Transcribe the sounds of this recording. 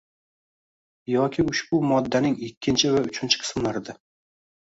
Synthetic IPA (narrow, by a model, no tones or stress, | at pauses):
jɒkʲʰɪʊʃbʊmɒd̪ːanɪŋɪkʲʰːɪnt͡ʃʰɪvaʊt͡ʃʰɪnt͡ʃʰɪ̥qʰɨ̥smlaɾɪd̪ɪ